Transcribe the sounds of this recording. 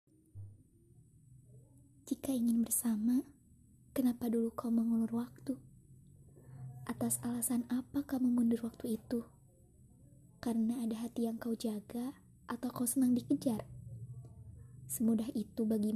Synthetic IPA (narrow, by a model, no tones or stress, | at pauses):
d͡ʒikaiŋɪnbərsama | kənapadulukauməŋulʊrwak̚t̪u | ʔat̪asalasanapakamumundʊrwak̚t̪uit̪u | karənaːdaɦat̪ijaŋkaud͡ʒaɡa | ʔat̪awkausənaŋdikəd͡ʒar | səmudaɦit̪ubaɡi